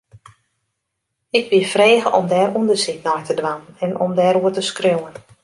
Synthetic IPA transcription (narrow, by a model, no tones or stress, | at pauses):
ɪkʋiəfreːɣəʔɔmdɛːɾundərsik̚nɔjtədʋanənɛnɔ̰mdɛːɾuətəskrøwən